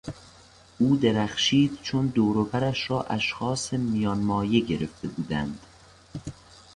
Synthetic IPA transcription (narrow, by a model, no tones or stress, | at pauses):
ʔuːd̪e̞ɾæχʃiːd̪̥t͡ʃʰond̪oːɾobæɾæʃrɒːʔæʃxɒːsemijɒːnmɒːje̞ɟe̞ɾeft̪e̞buːd̪ænd̪̥